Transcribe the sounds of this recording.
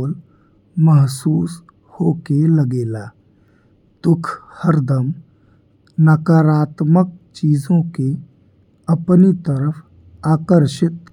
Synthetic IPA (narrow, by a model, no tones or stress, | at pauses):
l | məɦsuːs | hoːkeləɡeːlaː | d̪̥ʊkʰhəɾd̪əm | nəkaːɾaːt̪mək̚t͡ʃiːzõke | ɐpnit̪əɾəfʰ | aːkəɾʃɪt̪